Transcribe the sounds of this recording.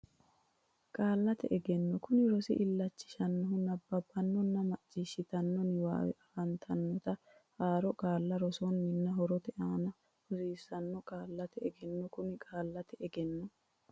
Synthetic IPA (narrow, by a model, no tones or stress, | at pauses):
kʼaːlːɐt̪ɛ̰ʔɛɡɛnːɔkʊnɪɾɔsɪ̰ʔɪlːɐt͡ʃːɪ̥ʃɐnːɐɦʊnɐbːɐbːɐnːɔnːɐmɐt͡ʃʼːɪʃɪt̪ɐnːɔnɪwa̰ː | ɐnt̪ʰɐnːɔt̪ɐ | haːɾɔkʼaːlːɐɾɔsɔnːɪnːɐɦɔɾɔt̪ɛʔaːnɐ | ʊsiːsɐnːɔkʼaːlːɐt̪ɛɛɡɛnːɔkʊnɪkʼaːlːɐt̪ɛɛɡɛnːɔ